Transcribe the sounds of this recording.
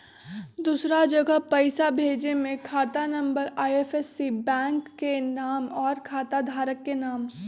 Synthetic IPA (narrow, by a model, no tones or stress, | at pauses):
d̪uːsɾad͡ʒəɡəɦpɐɪsabʱeːd͡ʒemẽkʰaːt̪anɐ̃mbəɾaːjefesːibɛ̃ːŋkːenaːmɔːɾkʰaːt̪ad̪ʱaːɾəkːenaːm